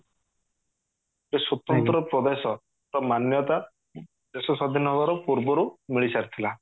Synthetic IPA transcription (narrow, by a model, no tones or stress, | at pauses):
esɔt̪ɔnt̪ɾɔpɾɔd̪esɔ | ɾɔmanjɔt̪a | d̪esɔsɔd̪ʱinɔɦɔbaɾɔpuɾbɔɾumiɭisaɾit̪ʰila